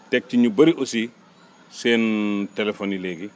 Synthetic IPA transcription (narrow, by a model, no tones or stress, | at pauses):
tɛk̚tiɲubɐɾiʔɔsi | sɛːntɛlɛfɔnilɛːɡi